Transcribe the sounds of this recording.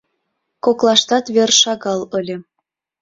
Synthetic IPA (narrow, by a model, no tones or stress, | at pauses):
koklˠɑʃt̪ɑt̪βerʃɑɣɑlɤ̆lʲɤ̆